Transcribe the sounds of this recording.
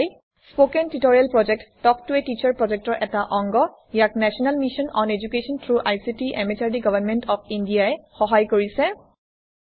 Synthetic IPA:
j | spokɛntutoɹialpɹɔd͡ʒɛk̚tːɔk̚tuetit͡ʃaɹpɹɔd͡ʒɛk̚tɔɹʔɛtaʔɔŋɡɔ | jak̚nɛsɔnalmisɔnɔned͡ʒukesɔntʰɹuʔajsitiʔɛmet͡ʃaɹdiɡɔvanmɛntɔpʰindijaɛxɔɦajkoɹisɛ

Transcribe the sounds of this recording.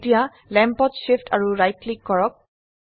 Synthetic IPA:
tija | lɛmpɔtʃiftʰaɹuɹajtlikːɔɹɔk̚

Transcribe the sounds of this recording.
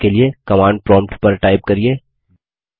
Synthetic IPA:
keliekɐmãːɳɖ̚pɾɔ̃ːmpʈpɐɾʈaːɪb̚kɐɾieː

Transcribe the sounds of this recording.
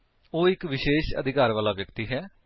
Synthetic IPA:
oːɪkʋɪʃeːʃə̰d̪ʱɪkaːɾʋaːlaːʋjəkt̪iːɦɛː

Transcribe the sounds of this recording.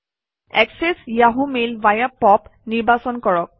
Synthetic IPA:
ɛksesjaɦumelvajapɔpniɹbasɔnkɔɹɔk̚

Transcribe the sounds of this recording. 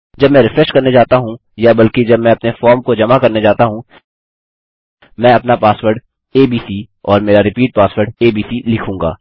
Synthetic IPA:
d͡ʒɐbmɛ̃ːɾɪfɾɛsʈkɐɾned͡ʒaːt̪aɦũ | jabɐlked͡ʒɐbmɛ̃ːɐpnefɔːɾmkod͡ʒɐmakɐɾned͡ʒaːt̪aɦũ | mɛ̃ːɐpnapaːsʋəɾɖ | eːbiːsi | ɔːɾmeːɾaɾɪpiːʈ̚paːsʋəɾɖeːbiːsilɪkʰũːŋɡa̰ː

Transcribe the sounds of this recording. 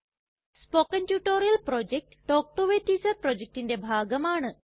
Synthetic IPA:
spoːkɐntjuːʈoːɾijɐlpɾoːd͡ʒek̚ʈʈoːk̚ʈoʋeʈːiːsɐɾpɾoːd͡ʑek̚ʈindebʱaːɡɐmaːɳɨ

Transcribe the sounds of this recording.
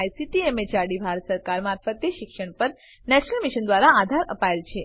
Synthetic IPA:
jsiʈiemed͡ʒaɽibʱaɾət̪səɾkaɾmaɾfət̪jəʃɪkʃəɳ̃pəɾ | nɛt͡ʃnəlmiʃənd̪ʋaɾaad̪ʱaɾə̰paelt͡ʃʰe

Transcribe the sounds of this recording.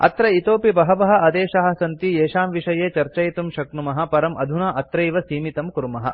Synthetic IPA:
ɐ̰t̪ɾɐit̪oːpibɐɦɐʋɐɦɐ̆ʔɐd̪eːʃɐɦɐ̆sɐnt̪ieːʃaːmʋiʂɐjeːt͡ʃɐɾt͡ʃɐjt̪umʃɐknumɐɦɐ̆pɐɾɐmʔɐd̪ʱunaːʔɐt̪ɾɐjʋɐsiːmit̪ɐmkuɾmɐɦɐ̰̆

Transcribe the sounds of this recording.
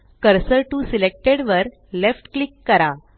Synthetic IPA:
kəɾsəʈusilek̚ʈeɽʋəɾ | lefʈklikːəɾa

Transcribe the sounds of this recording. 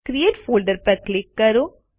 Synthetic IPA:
kɾieːʈfʰoːlɖəɾpəɾklɪkːəɾoː

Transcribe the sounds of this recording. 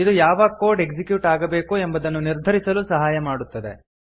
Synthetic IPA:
id̪ujaːʋɐkoːɾɖe̞ɡd͡ʒikjuːʈaːɡɐbe̞ːkue̞mbɐd̪ɐnːuniɾd̪ʱɐɾisɐlusɐɦaːjɐmaːɽut̪ːɐd̪e

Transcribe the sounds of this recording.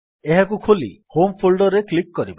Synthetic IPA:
eɦakukʰolḭhompʰolɖɔɾeklikːɔɾiba

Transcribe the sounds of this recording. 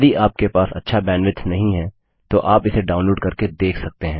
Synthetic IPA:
d̪iʔaːp̚kepaːsɐ̰tːʃʰabɛːnʋɪt̪ʰnɐɦĩɦɛ̃ː | t̪oʔaːpɪseɖaːʊ̃nloːɖkɐɾked̪eːkʰsɐk̚t̪eɦɛ̃ː

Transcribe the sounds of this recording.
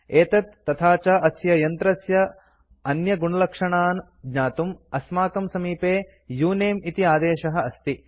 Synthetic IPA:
eːt̪ɐt̪ːɐt̪ʰaːt͡ʃɐʔɐsjɐjɐnt̪ɾɐsjɐ | ɐnjɐɡuɳɐlɐkʂɐɳaːn | ɡ̪ɲaːt̪umɐsmaːkɐmsɐmiːpeː | juːneːmit̪iaːd̪eːʃɐɦɐ̆ɐst̪i

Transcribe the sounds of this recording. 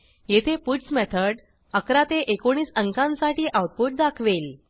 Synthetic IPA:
jet̪ʰepusmet̪ʰəɽ | əkɾat̪eʔekoɽ̃iːsəŋkãnsaʈiːʔawʈ̚puʈ̚d̪akʰʋel

